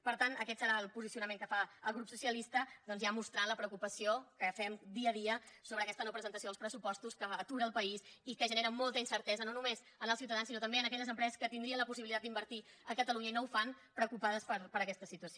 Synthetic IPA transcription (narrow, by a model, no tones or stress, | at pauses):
pəɾt̪anəkɛt̪səɾaəlˠpuzisiunəmeŋkəfaəlˠɣɾupsusiəlist̪əd̪ɔnzjamust̪ɾanləpɾəukupəsiokəfɛmd̪iəðiəsoβɾəːkɛst̪ənowpɾəzənt̪əsioəlˠspɾəsupɔst̪uskəət̪uɾəːlˠpəisikəʒəneɾəmɔlˠt̪əinsəɾt̪ɛzənonumez | ənəlˠsiwt̪əðansinot̪əmbeənəkɛʎəzəmpɾɛzəskət̪ind̪ɾiənləpus̬iβilit̪ad̪d̪imbəɾt̪i | əkət̪əluɲəinowfan | pɾəkupaðəspəɾpəɾəkɛst̪əsit̪uəsio